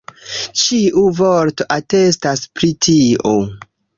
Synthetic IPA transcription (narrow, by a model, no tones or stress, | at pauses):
t͡ʃiʔuvoɾtoʔatestaspɾitʰio